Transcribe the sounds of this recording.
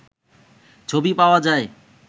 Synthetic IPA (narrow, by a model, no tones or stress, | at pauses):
t͡ɕʰobipaoad͡ʑae